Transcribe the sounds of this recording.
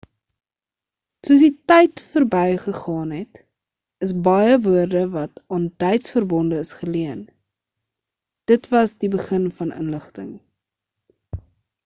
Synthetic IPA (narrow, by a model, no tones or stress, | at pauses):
suəs̬ditɛjtfərbɛjχəχɑːnɦɛt | əsbɐjəvuərdəvɐtɑːntɛjtsfərbɔndəːsχəliən | d̥ətvɐsdibəχənfɐnə̰nləχtəŋ